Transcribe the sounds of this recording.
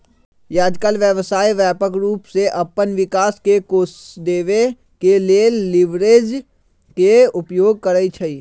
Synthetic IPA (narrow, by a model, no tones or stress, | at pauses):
jaːd͡ʒ̪kaːlʋjəʋsaːiʋjɛːpəkɾuːpseʔɐpənʋɪkaːskekoːsd̪eːʋe | keleːlːɪʋɾeːd͡ʒ | keʊpjoːɡ̚kəɾəit͡ʃʰɐiː